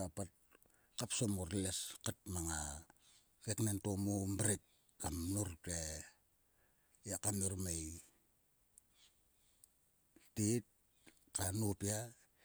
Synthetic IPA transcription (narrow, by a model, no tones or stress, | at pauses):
apat̚ | kapsomoɾleskat̚maŋa | ɡeknentomombɾik | kamnuɾte | jakamuɾmej | tit̚ | kanupia